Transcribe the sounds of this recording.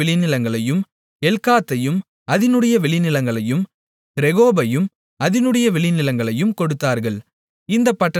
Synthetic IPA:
ɛɭɪnɪlɐŋɡɐɭɐjɯm | ɛlkaːt̪ːɐjɯm | ɐðɪnɯɽɐjɐʋɛɭɪnɪlɐŋɡɐɭɐjɯm | ɾɛɣoːbɐjɯm | ɐðɪnɯɽɐjɐʋɛɭɪnɪlɐŋɡɐɭɐjɯmkɔɽɯt̪ːaːɾɣɐɭ | ɪnd̪ɐpːɐʈːɐ

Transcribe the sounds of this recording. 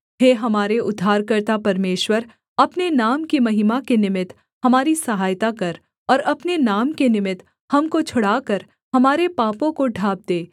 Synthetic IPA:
ɦeːɦɐmaːɾeʊd̪ʱːaːɾkɐɾt̪apɐɾmeːʃwəɾ | ɐpnenaːmkimɐɦimakenɪmɪt̪ | hɐmaːɾisɐɦaːjt̪akɐɾ | ɔːɾɐpnenaːmkenɪmɪt̪ | hɐmkot͡ʃʰʊɽaːkɐɾ | hɐmaːɾepaːpõkoɖʱaːb̚d̪eː

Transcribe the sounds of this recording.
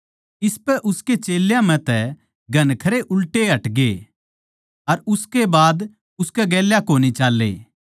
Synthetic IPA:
ɪspɛʔʊsket͡ʃeːljãmɛ̃t̪ɛ | ɡʱɐnkʰɐɾeʔʊlʈeɦɐʈɡe | ɐɾʊskebaːd̪ | ʊskɛɡɛːljakoːnit͡ʃaːlːḛː

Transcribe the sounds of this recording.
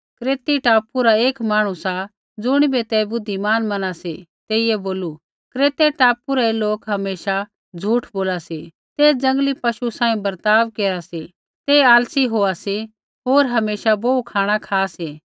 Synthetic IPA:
kɾeːt̪iʈaːpuɾaeːkmaːɽ̃ũsa | d͡zʊɽ̃ibet̪ɛbʊd̪ʱːimaːnmɐnaset̪eːɪjeboːlu | kɾeːt̪eʈaːpuɾaeloːkɦɐmeːʃa | d͡zʱuːʈʰboːlase | t̪eːd͡zɐ̃ŋɡlipɐʃusãːĩbɐɾt̪aːʋkeːɾase | t̪eaːlsiɦoːase | ɦoːɾɦɐmeːʃabɐukʰaːɽ̃akʰaːseː

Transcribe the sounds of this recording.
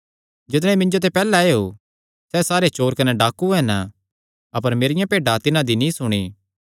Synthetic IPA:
d͡ʒɪt̪ɽ̃ɛ̃mɪ̃ɲd͡ʒot̪̬epɛːlaeo | sɛsaːɾet͡ʃoːɾkɐnɛɖaːkuɦɛːnə | ɐpəɾmeːɾɪjãpeːɖat̪ɪnãd̪inĩsʊɽ̃iː

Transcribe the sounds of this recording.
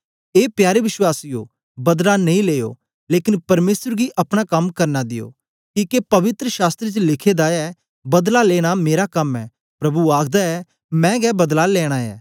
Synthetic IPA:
eːpjaːɾeʋɪʃwaːsɪjo̰ | bɐd̪lanɐĩleːjo̰ | leːkɪnpɐɾmeːsəɾɡiʔɐpɽ̃akɐmkɐɾnad̪ɪjo̰ː | kiːkepɐʋɪt̪ɾəʃaːst̪ɾet͡ʃəlɪkʰeːd̪aɛ | bɐd̪laleːɽ̃ameːɾakɐmɛː | pɾɐbuaːkʰd̪aɛ | mɛ̃ːɡɛːbɐd̪lalɛːɽ̃aɛ̰ː

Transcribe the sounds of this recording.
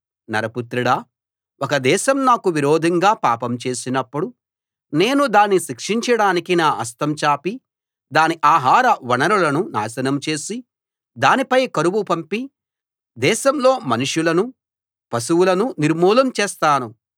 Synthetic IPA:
nɐ̰ɾɐput̪ɾiɽɐ | ɔkɐd̪ɛːʃɐmnaːkuʋiɾoːd̪ʱɐŋɡaːpa̰ːpɐmt͡ʃe̞ːsinɐpːuɽu | ne̞ːnud̪aːnːiʃikʂiɲt͡ʃɐɽaːnikinaːʔɐst̪ɐmt͡ʃaːpi | d̪aːniʔaːɦaːɾɐʋɐnɐɾulɐnuna̰ːsɐnɐmt͡ʃe̞ːsi | d̪aːnipɐjkɐɾuʋupɐmpi | d̪ɛːʃɐmlo̞ːmɐnuʂjulɐnu | pɐsuwulɐnuniɾmuːlɐmt͡ʃɛːst̪aːnu

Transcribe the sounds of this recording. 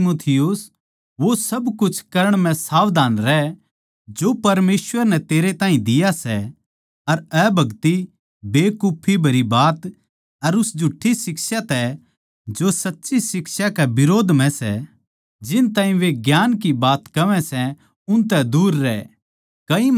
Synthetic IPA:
muːt̪ʰɪjʊs | ʋosɐbkʊt͡ʃʰkɐɾəɽ̃mɛ̃saːʋd̪ʱaːnɾɛ | d͡ʒopɐɾmeːsʋəɾnɛt̪eːɾet̪ãːɦĩd̪ɪjasɛ | ɐɾɛbʱɐɡt̪i | beːkuːpʰibʱɐɾibaːt̪ | ɐɾʊsd͡ʒʱʊʈʰːisɪksat̪ɛ | d͡ʒosɐtːʃisɪksakɛbɪɾoːd̪ʱmɛ̃sɛ̰ | d͡ʒɪnt̪aːɦĩʋeɡjaːnkibaːt̪kɐʋɛ̃sɛ | ʊnt̪ɛd̪uːɾːɛː | kɐĩ

